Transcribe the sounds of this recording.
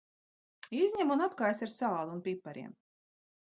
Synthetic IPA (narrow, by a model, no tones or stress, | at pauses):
izʲɲʲɛmunapkajsʲaɾsaːlˠuunpipːaɾḭɛm